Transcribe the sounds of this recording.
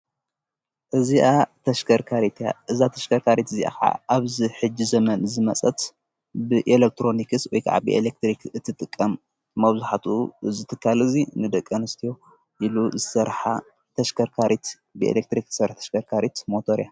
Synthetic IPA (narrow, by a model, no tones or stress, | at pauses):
ʔɨziʔat̪ʰɐʃkʰɐɾkʰaɾit̪ʰja̰ʔɨzat̪ʰɐʃkʰɐɾkʰaɾit̪ɨziʔa̰ka̰aβziħɨd͡ʒːizɐmɐnɨzɨmɐt͡sʼɐt̪ | bɨʔelek̚t̪ʰɾo̞nikɨswɔjkʰaʕa̰bɨʔelek̚t̪ɾikɨt̪ʰːɨt̪ʼɨkʼːɐmː | ɐβzuħat̪ʰuzɨt̪ʰɨkʰːalɨzinɨd̪ɐkʼːɐnɨst̪ʰijo̞ | ʔiluzɨsɐɾħa | t̪ʰɐʃkɐɾkʰaɾit̪ | bɨḛlek̚t̪ɾikzɨ̥sɐɾħt̪ʰɐ̥ʃkʰɐɾkʰaɾit̪mot̪ʰoɾja